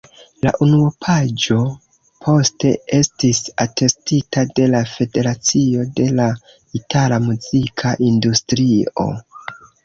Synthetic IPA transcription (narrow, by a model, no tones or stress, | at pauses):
la̰ʔunuopʰad͡ʒo̞ | pʰo̞ste̞e̞stisate̞stitade̞lafe̞de̞ɾat͡sio̞de̞la | italamuzikʰaʔindustɾio̞̰